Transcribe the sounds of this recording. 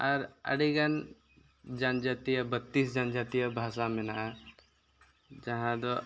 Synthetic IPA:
ɐɾɐ̰ɽiɡɐn | d͡ʒand͡ʒat̪ijɐbɐt̪ːisd͡ʒand͡ʒat̪ijɐbʱaːsamɪnaʔa | d͡ʒɐɦãd̪ɔ

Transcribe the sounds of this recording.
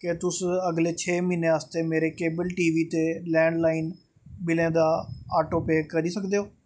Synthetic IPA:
ket̪ʊsəɡleːt͡ʃʰeːmineːəst̪eːmeːɾeːkeːbəlʈiːʋiːt̪eːlɛ̃ːɳɖlaːiːn | bɪlẽːd̪aːaːʈoːpeːkəɾiːsəkd̪eːɦoː

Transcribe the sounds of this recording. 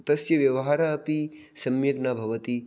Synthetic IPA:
t̪ɐsjɐʋjɐʋɐɦaːɾaːpi | sɐmjɐɡnaːbʱɐʋɐt̪i

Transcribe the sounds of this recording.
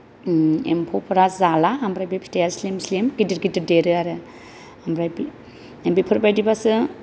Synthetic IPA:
ḛmpʰopʰɯɾazalaambɾajbipʰi̥tajaslemslemɡidiɾɡidiɾdeɾɯaɾɯ | ambɾajbi | embipʰɯɾbajdibasɯ

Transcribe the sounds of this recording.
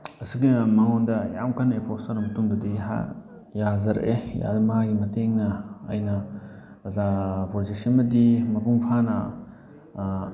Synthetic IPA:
ɐsiɡimɐŋondɐja̰mkʰanepʰostɐɾɐmɐtuŋbɐdiɦa̰ | jazɐɾɐ̰ʔeja̰lɐmaɡimɐtʰeŋnɐ̰ːjnɐ | zapʰoɾzisɐnmɐdimɐpuŋpʰanɐ

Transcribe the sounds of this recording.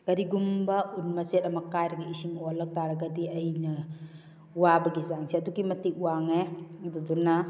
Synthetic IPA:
ɡ̥ɐɾiɡumbɐunmɐsetɐmɐkajɾɐɡɐisiŋolɐk̚taɾɐɡɐdiɐjnɐ | wabɐɡizaŋsiɐduɡimɐtik̚uwaŋeduduna

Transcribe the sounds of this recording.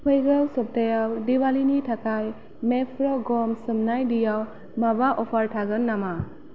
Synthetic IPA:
pʰɯjɡawsɔp̚tajawdiwalinitʰakaj | mepʰɾɔɡɔmsɯmnajdijaw | mabaʔɔpʰaɾtʰaɡɯnːama

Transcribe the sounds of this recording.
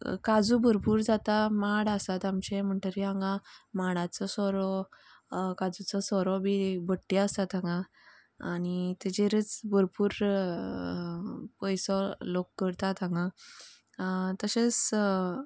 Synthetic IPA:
kad͡zubʱəɾpuːɾd͡zat̪amaɽasat̪amt͡ɕem̤əɳʈ̪əɾiãŋɡãmaɽ̃at͡sɔsɔɾɔ | kad͡zut͡sɔsɔɾɔbibəʈːjaəst̪at̪ãŋɡã | aɽ̃it̪ed͡ʑeɾət͡sbʱəɾpuːɾ | pəjsɔlokːəɾt̪at̪ãŋɡã | t̪əɕet͡s

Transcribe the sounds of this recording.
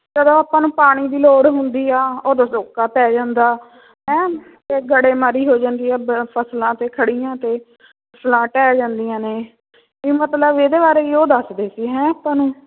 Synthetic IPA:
d͡ʒəd̪õːaːpãːnũːpaːɽ̃iːd̪iːloːɽɦʊnd̪iːaːoːd̪oːsoːkaːpɛːd͡ʒãːnd̪aː | ɦɛ̃ː | t̪eːɡəɽeːməɾiːɦoːd͡ʒãːnd̪iːɛːpʰəslãːt̪eːkʰəɽiːjãːt̪eː | pʰəslãːʈɛːd͡ʒãːnd̪ijãːneː | ɪmət̪ləbed̪eːbaːɾeːioːd̪əsd̪eːsiːɦɛ̃ːaːpãːnũː

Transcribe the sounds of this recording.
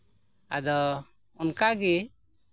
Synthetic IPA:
a̰d̪ɔ | unkaɡi

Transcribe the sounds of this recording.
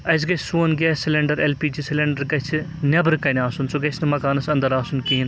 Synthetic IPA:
ɐs̬ɡɐt͡ʃʰsuɐnɡʲɐsileɳɖɐɾelpiːd͡ʒisileɳɖɐɾɡɐt͡ʃʰinʲɐbɾɨkɐnʲaːsunsuɡɐt͡ʃʰnɐmɐkaːnɐsɐ̃nd̪ɐɾaːsunkiːin

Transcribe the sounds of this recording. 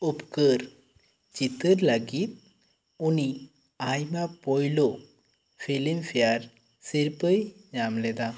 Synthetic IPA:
upkəɾ | t͡ʃit̪əɾləɡit̪̚ | uni | ajmapɔjlo | pʰilimpʰijaɾ | siɾpəjɲamlɛd̪a

